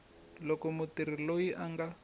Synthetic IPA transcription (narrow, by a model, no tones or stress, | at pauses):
lɔkɔmutir̤ilojiʔaŋɡa